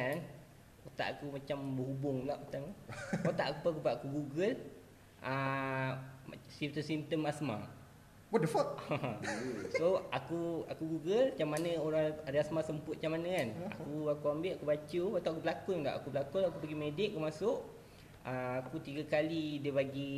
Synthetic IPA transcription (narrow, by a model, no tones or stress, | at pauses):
an | kot̪a̰ʔakumat͡ʃambəɦubʊŋlaʔut̪aŋkot̪a̰ʔkupakupaʔakuɡuɡəl | ə | simt̪əsimt̪əmasma̰ | pɔdəfɔt̪̚hã | soakua̰kuɡuɡəlt͡ʃamːanəoɾaŋɾiasmasəmpʊt̪̚t͡ʃamanəkana̰kuakuambɪʔakubat͡ʃəpat̪aakubəlakunŋla̰ʔa̰kubəlakunakupəɡimedɪk̚kəmasʊʔ | əakut̪iɡakalidiəbaɡi